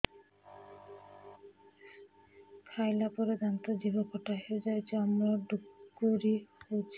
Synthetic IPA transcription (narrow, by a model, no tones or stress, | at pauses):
kʰajlapɔɾed̪ant̪od͡ʑibokɔʈaɦed͡ʑajt͡ɕamɾaɖukːoɾiot͡ʃ